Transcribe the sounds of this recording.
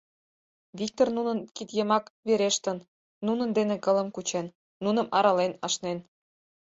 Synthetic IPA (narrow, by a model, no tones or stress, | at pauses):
βʲik̚t̪ornunənkit̪jəmɑkβeɾeʃt̪ə̆n | nunə̆nd̪enĕkɤ̆lə̆mkut͡ɕenː | unə̆mʔɑɾɑlenɑʃnen